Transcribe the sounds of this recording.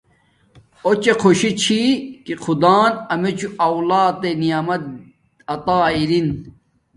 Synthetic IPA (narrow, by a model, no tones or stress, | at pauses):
ot͡ɕekʰoɕit͡ɕʰikiqʰud̪aːnɐmet͡ɕʰuɐwlaːt̪enijaːmɐt̪̚ | ɐt̪aːiɾin